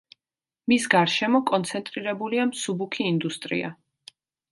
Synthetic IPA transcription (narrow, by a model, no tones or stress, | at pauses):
misɡaɾʃɛmɔkʼɔnt̪sʰɛnt̪ʼɾiɾɛbuliamsubukʰiːnd̪ust̪ʼɾḭa̰